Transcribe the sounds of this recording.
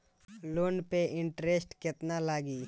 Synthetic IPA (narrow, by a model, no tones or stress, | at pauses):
loːnpeʔɪ̃ɳʈɾesʈkɪt̪nalaːɡiː